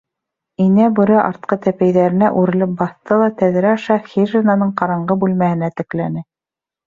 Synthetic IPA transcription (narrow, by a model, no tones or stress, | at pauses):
inæbʉ̆ɾɘʔɑ̰ɾt̪̚qɤt̪æpæjðæɾɘ̆næʔʉɾɘ̆lɘp̚bɑθt̪ɤlˠɑt̪æðɘ̆ɾæɑʃɑxiʒenɑnɤɴqɑɾɑɴɢɤbʉlmæhɘ̆næt̪ɘ̆klænɘ